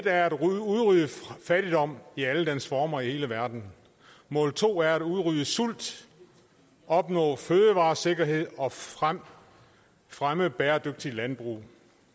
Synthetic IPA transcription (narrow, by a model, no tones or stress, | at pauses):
ed̥æɐæd̥uðˠʁyːəfæɾ̥id̥ɒ̽m̰iæləd̥ensfɒːmɐihe̝ːləʋæɐd̥n̩ | mɔ̰̽ːl̚t͡sʰo̝̰ːæɐæd̥uðˠʁyːəsul̰d̥ | ɒ̽b̥nɔ̰̽ːføːəʋɑ̈ːse̝ɡ̥ɐɦe̝ð̞̰ˠɒ̽ | fʁaməb̥eːɐd̥øɡ̥̚d̥ilænb̥ʁṵː